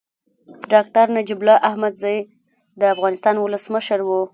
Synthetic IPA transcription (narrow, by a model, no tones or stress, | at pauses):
ɖɑk̚t̪aɾnad͡ʒiblɑʔahmad̪zɑj | d̪əafɣɑnɪst̪ɑnwʊləsməʃəɾwu